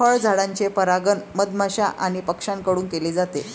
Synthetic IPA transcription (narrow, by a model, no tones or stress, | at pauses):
əɭd͡zʱaɽãɲt͡ɕepəɾaɡənməd̪maɕaʔaɽ̃ipəkʂaŋkəɽuːnkeliːd͡zat̪e